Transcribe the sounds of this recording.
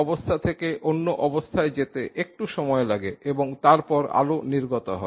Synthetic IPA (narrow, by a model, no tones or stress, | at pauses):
ɔbost̪ʰat̪ʰekeʔonːoʔɔbost̪ʰaed͡ʑet̪eʔek̚ʈuʃɔmɔelaɡeʔeboŋt̪aɾpɔɾa̰loniɾɡot̪oɦɔe